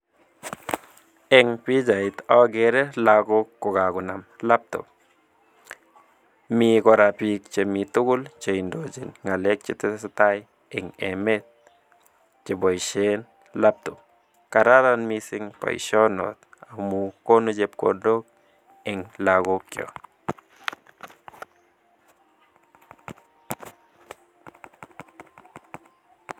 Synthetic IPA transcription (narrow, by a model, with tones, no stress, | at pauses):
e˧ŋpi˦d͡ʒa˨jt̪a˦ɡe˧ɾe˦la˧ɡo˧ko˧ɡa˨ɡu˨na˨mla˦p̚t̪o̰˨ | mi˧ɡo˧ɾa˧pi˧k̚t͡ʃe˨mi˧t̪u˦ɡu˦lt͡ʃe˧jnd̪o˨d͡ʒḭ˨nŋɡa˨le˦k̚t͡ʃe˧t̪e˦sa˧t̪a˦j | e˨ŋe˨me˦t̪̚ | t͡ʃe˨bo˨jʃe˦n | la˦p̚t̪u˨ | ka˧ɾa˦d̪a˦nmi˧si˧ŋpa̰˨jʃo˦no̰˨t̪a˨mu˧ko˦nu˦˧d͡ʒe˧pko˨ndo˦k̚ | e˨ŋla˧ɡo˧kjo̰˨